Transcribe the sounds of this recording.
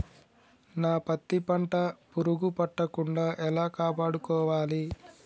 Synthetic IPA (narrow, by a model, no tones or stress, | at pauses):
naːpɐt̪ːipɐɳʈɐpuɾuɡupɐʈːɐkuɳɖaːʔɛlaːkaːpaːɽukɔːʋaːli